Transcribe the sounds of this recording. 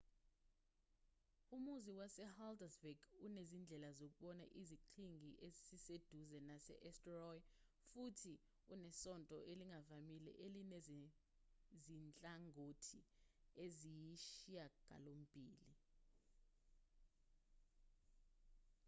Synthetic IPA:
umuziwasɛhaldɛzbɛɡunezind͡ɮʱɛlazok̬uɓɔna̰ʔiziǃʰiŋɡʱiʔezisised̥ʱuzɛnasɛ̰ʔɛstrɔj | futʰi | unɛsɔntʼɔ̰ʔeliŋavamilɛ̰ʔelinez | zint͡ɬʼaŋʱotʰiezijiʃiaɡ̥ʱa̰lom̩b̥ʱiːli

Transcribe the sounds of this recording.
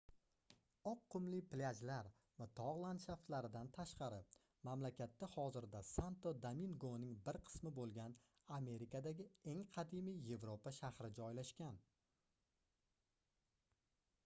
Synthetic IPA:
ɒqʰːʊmlɪplʲad͡ʒlaɾ | vat̪ʰɒʁlˠant̪ʃaft̪laɾɪd̪ant̪ʰaʃqɑɾɪ | mamlakʲat̪ːahɒzɪɾd̪asant̪od̪aminɡonɪŋbɪɾqʰɨ̥smɪbolˠɡʲan | ame̞ɾikad̪aɡʲɪe̞ŋqʰɑd̪imijje̞vɾopaʃahɾɪd͡ʒɒjlaʃkʲan

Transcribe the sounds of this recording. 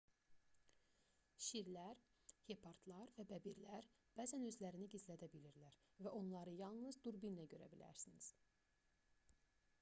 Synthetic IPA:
ʃiɾlæɾ | hepʰɑɾt̪lˠɑɾvæbæbiɾlæɾ | b̥æːzænø̞zlæɾiniɟizlæd̪æbiliɾlæɾvæʔo̞nlˠɑɾɯjɑlˠnɯzd̪uɾbinlæɟø̞ɾæ̰bilæ̰ɾsiniz̥

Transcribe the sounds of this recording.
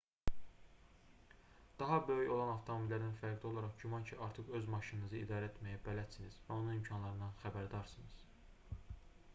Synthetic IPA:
d̪̥ɑɦɑbø̞jyjo̞lˠɑnɑft̪ʰomobilːæɾninfæɾɡd̪io̞lˠɑɾɑχɟymɑncʰiʔɑɾt̪ʰɯχø̞zmɑʃininɯzɯid̪ɑːɾæet̪mæjæbælæd̪siniz̥væo̞nunimcʰɑnlˠɑɾɯnd̪ɑnxæbæɾd̪ɑɾsɯnɯz̥

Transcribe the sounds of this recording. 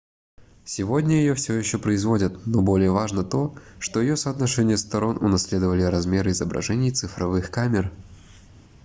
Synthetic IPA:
sʲɪvo̞dʲnʲəjɪjofsʲojɪɕːopɾəɪzvo̞dʲət̪no̞bo̞lʲɪjəvaʐnət̪o̞ʂt̪o̞jɪjo̞səːt̪nɐʂɛnʲɪjəst̪ɐɾo̞nʊ̰nɐsʲlʲe̞d̪əvəlʲɪɾɐzmʲe̞ɾɨɪzəbɾɐ̰ʐɛnʲɪjt̪sɨfɾɐvɨxkamʲɪr

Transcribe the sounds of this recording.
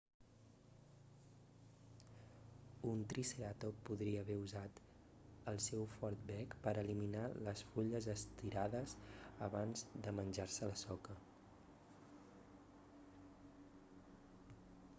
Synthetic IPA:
unt̪ɾiseɾat̪opuðɾiəːβɛuzat̪ | əlˠsɛwfɔɾt̪̚bɛkpəɾəliminaləsfuʎəzəst̪iɾaðəzəβanzðəmənʲʒaɾsələsɔkə

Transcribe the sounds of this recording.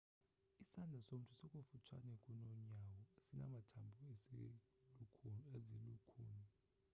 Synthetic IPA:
isand͡ɮʱasom̩tʰʼusɛkʼofut͡ʃʰa̰nɛkʼunoɲjawɔesina̰matʰambʱue | ezilukʰuːni

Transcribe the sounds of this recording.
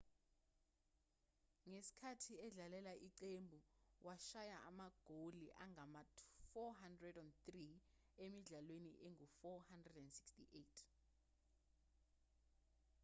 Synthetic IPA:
ŋesi̥kʰatʰiɛɮalɛlaʔiǀembʱuwʔaʃajaʔamaɡ̥ʱoliʔaŋʱamafɔɦandrɛdɔnt̪ri | emiɮalweniʔeŋʱufɔhandrɛdɛndsi̥kstiʔetʰ

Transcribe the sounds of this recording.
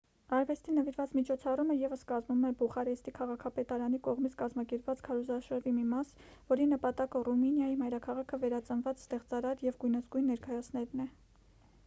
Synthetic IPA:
ɑɾvɛst̪inəviɾvɑt͡smit͡ʃʰɔt͡sʰɑruməjɛvəskɑzmumɛbuχɑɾɛst̪ikʰɑʁɑkʰɑpɛt̪ɑɾɑnikɔʁmit͡sʰkɑzmɑkɛɾpvɑt͡skʰɑɾɔzɑʃəɾvimimɑsvɔɾinəpɑt̪ɑkəruminjɑjimɑjɾɑkʰɑʁɑkʰəvɛɾɑt͡sənvɑt͡sst̪ɛʁt͡sɑɾɑɾjɛvɡujnəzɡujnːɛɾkɑjɑt͡sʰnɛɾnɛ

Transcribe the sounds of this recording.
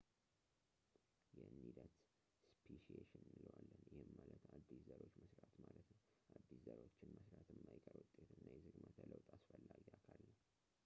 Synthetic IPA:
jɛnːid̪ət̪ | spʰiʃieʃɪnmɨləwalːənjɪhɪmːalət̪ad̪ːiszəɾo̞t͡ʃːməsɾat̪malət̪nəw | ʔad̪ːiszəɾwot͡ʃːɪnməsɾat̪ʰɨmmajɛkʼəɾwʊt̪ʼːet̪ɨnːajɛzɨɡmət̪ʰələwt̪ʼasfəlːaɡiakʰalːəw

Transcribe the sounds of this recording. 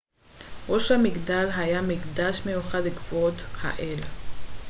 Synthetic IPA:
ʁoʃamiɡd̪alɦajamiɡd̪aʃmejuχadleɡvuot̪ha̰ʔel

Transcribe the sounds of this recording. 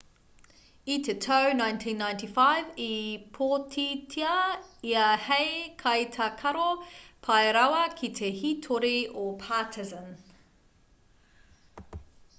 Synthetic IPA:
itʰetʰownãjntʰĩːnːãj̃ntifajvipʰotʰitʰiɐiɐhejkʰɐjt̪ʰɐkʰɐɾopʰɐjɾawɐkʰit̪ʰehitʰoɾiopʰaːtʰɪzə̃n

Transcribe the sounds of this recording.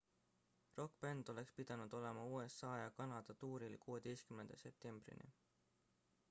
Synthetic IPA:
ro̞kːpend̪̥o̞le̞kspid̪̥ɑnud̪̥o̞le̞mɑuːe̞sːɑːjɑkɑnɑd̪̥ɑt̪uːɾilkuːe̞d̪̥e̞jst̪kymnend̪̥ɑse̞p̚t̪e̞mb̥rḭnḭ

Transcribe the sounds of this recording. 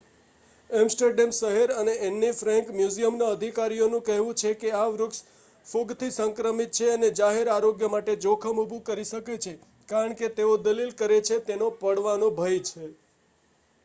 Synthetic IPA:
ɛmsʈəɾɖemsəɦeɾəneʔenːifɾɛ̃ŋkmjuzijəmnaəd̪ʱikaɾijonũkəɦʋũt͡ʃʰekeaʋɾʊks | fuɡt̪ʰisə̃ŋkɾəmit̪̚t͡ʃʰeəned͡ʒaɦeɾaɾoɡjəmaʈed͡ʒokʰəmubʱũkəɾiʃəket͡ʃʰe | kaɾəɳket̪eod̪əlilkəɾet͡ʃʰet̪enopəɽʋanõbʱəjt͡ʃʰe

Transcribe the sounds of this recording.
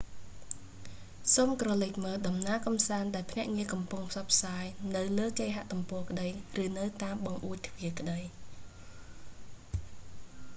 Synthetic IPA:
soːmkrɑlɨc̚məːlɗɑmnaəkɑmsaːnɗaɛlpʰnɛ̆əʔŋiəkɑmpuŋpʰsɑt̪̚pʰsaːjnɨwləːkeːɦaʔt̪umpɔəkəɗəjrɨːnɨwt̪aːmɓɑŋʔuəc̚t̪ʰʋiəkə̆ɗəj

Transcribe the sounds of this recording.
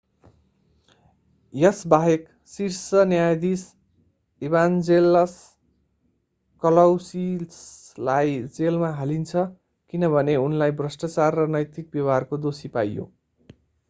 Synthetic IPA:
jʌsbaɦek | sirsʌnjajd̪is | iβand͡zelʌs | kʌlʌwsislajd͡zelmaɦalint͡sʰʌ | kinʌbʱʌneunlajbrʌsʈʌt͡sarːʌnʌjt̪ik̚bjʌwarkod̪osipa̰jjo̰

